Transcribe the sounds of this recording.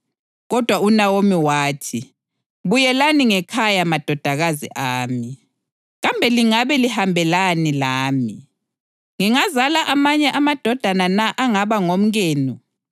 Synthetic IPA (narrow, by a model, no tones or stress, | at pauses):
ɣɔd̥ʱwaunawomiwaːtʰi | βujɛlaniŋɛkʰajamad̥ʱɔd̥ʱaɣazḭʔaːmi | ɣambʱɛliŋaβɛlihambʱɛlanilaːmi | ŋiŋazalaʔamaɲɛʔamad̥ʱɔd̥ʱananaʔaŋaβaŋom̩ɣeːnu